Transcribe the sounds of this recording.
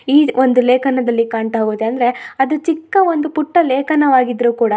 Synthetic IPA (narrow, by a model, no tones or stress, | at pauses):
iːond̪uleːkʰɐnɐd̪ɐlːikaːɳt̪aɦɡoːd̪eɐnd̪ɐɾe̞ɐd̪ut͡ʃikːɐʋond̪upuʈːɐleːkʰɐnɐʋaːɡid̪ɾuːkuːɽɐ